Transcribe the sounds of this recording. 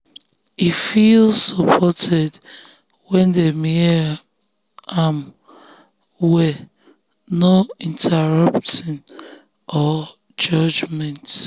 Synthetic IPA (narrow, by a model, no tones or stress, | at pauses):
ifilsɔpʰɔtʰɛd | wɛ̃ndemi | am | wɛ | noĩntʰɛɹʌptɔ̃n | ʔɔ | d͡ʒɔd͡ʒmɛ̃nt